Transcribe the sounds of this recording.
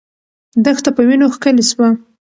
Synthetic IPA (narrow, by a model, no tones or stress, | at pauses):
d̪əxt̪apəwinoxkəleswa